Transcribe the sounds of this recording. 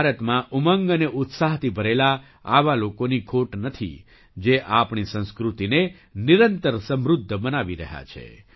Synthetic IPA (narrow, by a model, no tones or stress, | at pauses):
baɾət̪mãʔuməŋɡəneʔʊt̪saɦt̪ʰibʱəɾela | aʋalokonikʰoʈnət̪ʰḭ | d͡ʒeʔapɳisə̃nskɾut̪ine | niɾənt̪əɾsəmɾʊd̪ʱːbənaʋiɾəɦja̰t͡ʃʰḛ